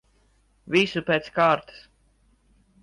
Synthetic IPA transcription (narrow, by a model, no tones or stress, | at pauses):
visupeːt̪skaːɾt̪ɨ̥s